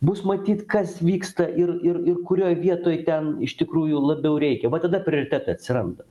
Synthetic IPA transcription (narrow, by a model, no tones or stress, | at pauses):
busmɐt̪ʲiːt̪kɐsʋʲiːkst̪ɐʔɪrɪrɪrkʊɾʲoːjʋʲiɛt̪oːjt̪ʲɛnɪʃt̪ʲɪkɾuːjʊlˠɐbʲɛʊɾʲɛɪkʲɛʋɐt̪ɐd̪ɐpʲɾʲɪoːɾʲɪt̪ʲæːt̪ɐɐt̪ʲsʲɪɾɐnd̪ɐ